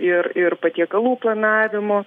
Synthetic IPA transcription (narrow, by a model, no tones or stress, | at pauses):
ɪɾɪɾpɐt̪ʲiɛkɐlˠuːplˠɐnɑːʋʲɪmoː